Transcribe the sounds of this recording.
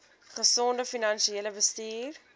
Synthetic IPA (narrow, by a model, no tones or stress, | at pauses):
χəsɔndəfinɐnʃieləbəstiːr